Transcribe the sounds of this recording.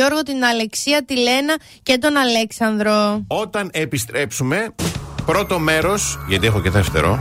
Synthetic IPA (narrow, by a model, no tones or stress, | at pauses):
o̞ɾɣo̞t̪inɐle̞ksiɐt̪ile̞nɐ | cet̪̬o̞nɐleksɐnðɾoot̪ɐnepist̪ɾe̞psume̞pɾo̞t̪o̞me̞ɾo̞sʝɐt̪iexoce̞ðeft̪e̞̰ɾo̞̰